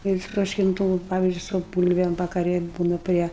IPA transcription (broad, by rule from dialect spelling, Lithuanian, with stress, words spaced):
jɛʊ ɪʃtroːʃʲkʲɪnˈtuː ʋɐ ˈpɑːʋʲɪzʲd͡ʒʲʊɪ sʊ ˈbuːlʲʋʲɛm ʋɐkɐˈrʲɪ ˈbuːnɐ ˈpʲrʲiɛ